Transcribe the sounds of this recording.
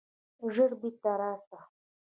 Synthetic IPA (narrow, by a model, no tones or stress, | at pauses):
ʐəɾbit̪ːaɾaːsa